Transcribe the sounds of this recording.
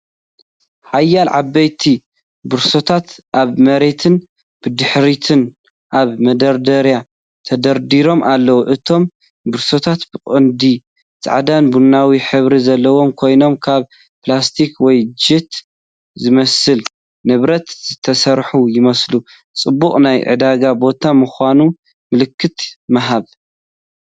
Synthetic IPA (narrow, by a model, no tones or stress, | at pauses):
ħajːalʕabːɐjt̪ʰi | bɨɾso̞t̪ʰat̪ʔaβmɐɾe̞t̪ʰɨn | b̥ɨd̪ɨħɾit̪ʰɨn | ʔaβmɐd̪ɐɾd̪ɐɾja | t̪ʰɐd̪ɐɾd̪iɾo̞mʔalːɐwuʔɨt̪ʰo̞m | bɨɾso̞t̪ʰat̪bɨkʼɨnd̪i | t͡sʼa̰ʕad̪anbunːawiħɨβɾizɐlːɐwo̞mkʰo̞jno̞mkʰaβ | plast̪ʰikwɔjd͡ʒɨt̪ | zɨmɐsɨl | nɨβɾɐt̪z̥ɨt̪ʰɐsɐɾħujɪmɐslu | t͡sʼɨbːukʼnajʕʔɨ̰d̪aɡabo̞t̪ʰamɨxʷanu | mɨlɨkʰːɨt̪mɐɦaβ